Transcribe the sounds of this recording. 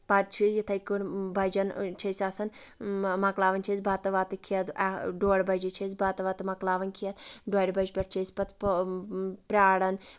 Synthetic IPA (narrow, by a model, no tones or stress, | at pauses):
pɐt̪̚t͡ʃʰijit̪ʰɐjkunbɐd͡ʒɐnt͡ʃʰɐsʲaːsɐnmɐklaːʋɐnt͡ʃʰɐzʲbaːt̪ɐʋaːt̪ɨkʰiɐd̪ɐɖoːɽʲbɐd͡ʒɐt͡ʃʰɐzʲbaːt̪ɐʋaːt̪ɨmɐklaːʋɐnkʰijɐt̪̚ɖoːjɽʲbɐd͡ʒpʲɐʈ̚t͡ʃʰɐsʲpɐt̪ʰ | pɾʲaːɽɐn